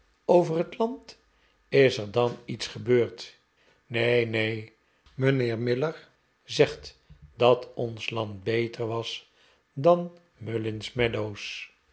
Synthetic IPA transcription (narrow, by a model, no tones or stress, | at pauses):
owvərɦətlɑnt | ɪsəɹdɑnitsχəbøːɹt | nejnej | mənɪːɹmɪləɹ | zɛχt | d̥ɑtɔnslɑnt̚bejtʰəɹʋɑs | dɑn | mølɪnsmɛdows